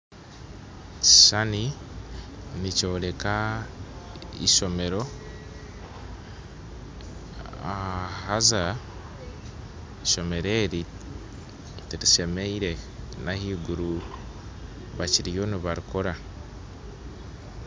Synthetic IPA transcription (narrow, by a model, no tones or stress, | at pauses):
ci̥ʃani | nico̞ːle̞ka | ḭʃo̞me̞ɾo̞ | ahaza | iʃo̞me̞ɾe̞ɾi | tiɾiʃe̞meiɾe̞nahiːɡuɾu | βaciɾijo̞niβaɾikoɾa